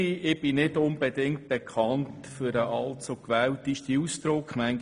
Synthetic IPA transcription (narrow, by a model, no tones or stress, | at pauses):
iʔɪb̥ɪnɪdʊnb̥edɪŋt̚b̥ekʰχɑnttfʏɾəʔɑltt͡sokʋɛːwtiʃtiust̪ɾʊkχmæŋ